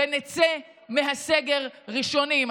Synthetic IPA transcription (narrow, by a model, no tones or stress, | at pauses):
enet͡se | meɦaseɡeʁʁiʃo̞nim